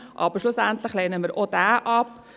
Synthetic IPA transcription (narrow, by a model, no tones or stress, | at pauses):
ʔɑbəɾʃlʊsæntlɪχleːnəmɪːɾʔodæːʔɑp